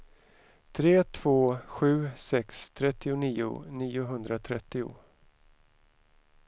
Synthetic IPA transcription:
t̪ʰɾeːt̪ʰv̥oːɧʉ̟ːsɛkst̪ʰɾɛt̪ːɪʊniːʊ̰niːʊɦɵnd̪ɾat̪ʰɾɛt̪ːɪʊ̰

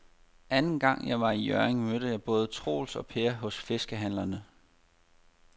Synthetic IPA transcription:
ʔænn̩ɡ̥ɑ̈ŋ̰jɑ̈ɪʋɑ̈ijœɐeŋmød̥əjɑ̈ɪb̥ɔ̽ːð̞̩ˠət͡sʰʁo̝̰ːlsɒ̽pʰe̝ːɐɦɔ̽sfe̝sɡ̥əɦæn̰lɐnə

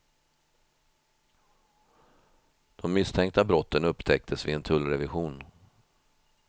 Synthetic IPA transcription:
d̪̥ɔmːɪst̪ʰɛŋk̚t̪abɾɔt̪ːənɵpːt̪ʰɛk̚t̪ʰəsvɪɛnt̪ʰɵlɾɛvɪɧuːn

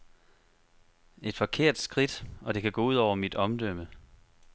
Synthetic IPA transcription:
e̝d̥fɒ̽kʰe̝ɐ̰d̥sɡ̥ʁid̥ɒ̽d̥e̝kʰæɡ̥ɔ̰̽ːuð̞̰ˠɒʊ̰ɐmid̥ɒ̽md̥øm̰ə

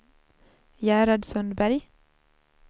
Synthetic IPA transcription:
jæːɾɑɖ̪sœnbæɾj

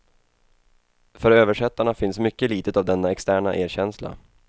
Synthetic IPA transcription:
fœɾøːvəʂɛt̪ːaɳafɪnsmʏkːəliːt̪ət̪avd̪ɛnːaɛkst̪æːɳaʔeːɾɕɛnsla̰

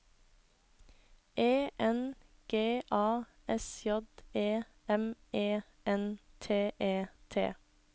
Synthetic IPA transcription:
ʔeːʔɛn | ɡ̥eːʔɑː | ʔɛsjɔd̪eː | ɛmeː | ʔɛnt̪ʰeːʔeːt̪ʰḛː

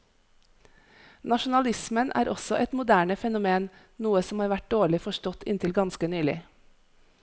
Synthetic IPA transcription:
nɑʃʊn̩ɑlɪsmənʔæ̰ːɾʔɔsɔʔɛt̪mʊd̪æːɳəfɛnʊmeːn | nuːəsɔmhɑːɾʋæʈ̚d̪oːɭɪfɔʃtɔt̪ɪ̰nt̪ʰɪlɡɑnskənyːlɪ̰

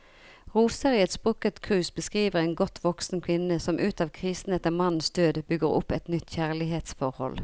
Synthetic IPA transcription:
ʁuːsəʁɪɛt̪sbʁʉkət̪kʰʁʉːsbəskʁiːʋəʁeːnɡɔt̪ʰʋɔksn̩kʰʋɪnəsɔmʔʉːt̪ɑːʋkʰʁiːsn̩ɛt̪əmɑnn̩sd̪øːd̪bʏɡəʁʊ̰pːɛt̪nʏt̪ːçæːʁlɪɦeːt̪sfɔʁhɔ̰l

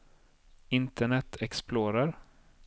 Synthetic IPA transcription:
ɪnt̪ʰəɳɛt̪ʰɛksploːɾaɾ

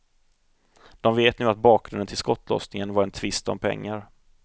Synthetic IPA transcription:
d̪̥ɔmveːt̪nʉ̟ːat̪̚bɑːk̚ɡɾɵnd̪ənt̪ʰɪlskɔt̪ːlɔ̰snɪŋənvaɾɛnt̪ʰvɪst̪ɔ̰mpʰɛ̰ŋːaɾ

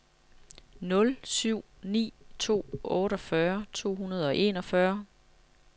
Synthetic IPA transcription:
nɔ̽lsyʊ̰nḭːt͡sʰo̝̰ːɔ̽ːɾɒ̽fɶɐt͡sʰo̝̰ːɦunɐð̞ˠɒ̽ʔe̝nɒ̽fɶɐ

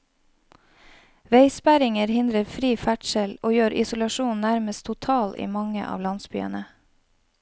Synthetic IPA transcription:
ʋeɪspæɾɪŋəɾhɪnd̪ɾəɾfɾiːfæʈʃəloːjøːɾʔɪ̰sʊlɑʃuːnnæɾməst̪ʰʊt̪ʰɑːlḭːmɑŋə̰ʔɑ̰ːʋlɑnsby̰ːə̰nə

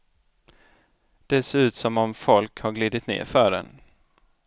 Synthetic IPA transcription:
d̪̥ɛseːɾʉ̟ːt̪sɔmɔmfɔlkhaɾɡliːd̪ɪt̪nḛːɾfœːɖɛ̰n

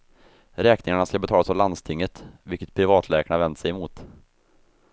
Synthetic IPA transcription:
ɾɛːknɪŋaɳaskabɛt̪ʰɑːlasɔland̪st̪ʰɪŋːət̪vɪlkːət̪̚pʰɾɪvɑːt̪ʰlɛːkaɳavɛnd̪sɛjɛmuːt̪

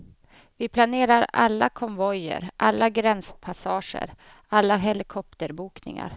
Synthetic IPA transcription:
vɪpʰlaneːɾaɾa̰lːakʰɔmvɔjə̰ɾʔalːaɡɾɛnspʰasɑːʂə̰ɾ | alːaɦɛlɪkʰɔpt̪əɾbuːknɪ̰ŋa̰ɾ

